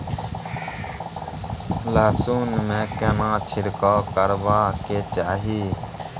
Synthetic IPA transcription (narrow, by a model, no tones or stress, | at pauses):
laːsuːnmẽːkenãːt͡ʃʰɪɾkoːkəɾʋaːkeːt͡ʃaːɦiː